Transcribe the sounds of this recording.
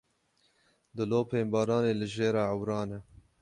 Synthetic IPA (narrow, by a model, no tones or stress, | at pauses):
d̪ɨloːpʰeːmbɑːɾɑːneːlɨʒeːɾɑːʕawɾɑːnɛ